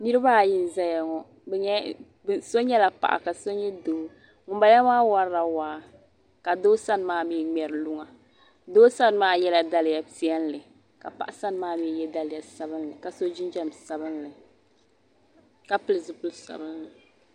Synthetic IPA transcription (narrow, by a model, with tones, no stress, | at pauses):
ni˦ɾɨ˦baː˦˨ji˦n˨za˦ja˨ŋɔ˨ | bɛ˨ɲɛ˦ | bso˦ɲɛ˦la˨pa̰˨ʔa̰˨ka˨so˦ɲɛ˦doː˨˦ | ŋʊ˨ba˨˦la˦maː˦wa˦ɾɾa˨waː˨˦ | ka˨doː˦sa˦n˨maː˦mi˦˨ŋ͡mɛ˨ɾɨ˨lu˦ŋa˨ | doː˦sa˦n˦maː˦jɛ˦la˨da˦lɪ˨ja˨pi˦ɛ˦n˦lɨ˨ | ka̰˨pa̰˨ʔa˨sa˦n˨˦maː˦mi˦˨jɛ˦da˦lɪ˨ja˨sa˨bɨ˦nlɨ˨ka˨so˦d͡ʒi˦nd͡ʒa˦msa˨bɨ˦nlɨ˨ | ka˦pɨ˦lɨ˨zɨ˨pʊ˦lsa̰˨bɨ˦nlɨ˨